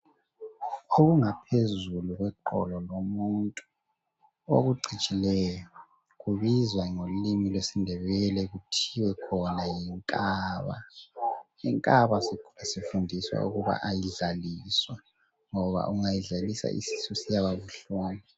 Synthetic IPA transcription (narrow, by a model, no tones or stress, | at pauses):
oɣuŋapʰezuluɣwɛǃɔ̰lɔlomuntʼu | o̰ɣuɡ͡ǀʱit͡ʃʼilɛjɔ | ɣuβizwaŋolimilwesindʱɛβɛlɛɣutʰiwɛkʰɔnajiŋkʼaːβa̰ | jiŋkʼaβasiasifundʱiswa̰ṵɣuβa̰ʔajiɮaliswa | ŋɔβa̰ʔuŋajiɮalisa̰ʔḭsi̥susijaβaβuɬoːni